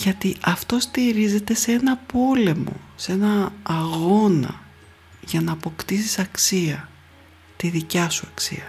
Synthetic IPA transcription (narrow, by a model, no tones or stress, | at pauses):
ʝɐt̪iʔɐft̪o̞st̪iɾize̞t̪e̞se̞nɐpo̞le̞mo̞̰se̞nɐːɣo̞nɐ̰ | ʝɐnɐːpo̞kt̪isisɐksiɐ | t̪iðicɐsuɐksḭɐ